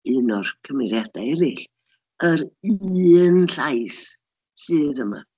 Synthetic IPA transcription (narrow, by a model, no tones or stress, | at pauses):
ɪnɔrkʰəmɪɾjad̥aɛɾɪɬ | əɾiːnɬajs | sɨːðəma̰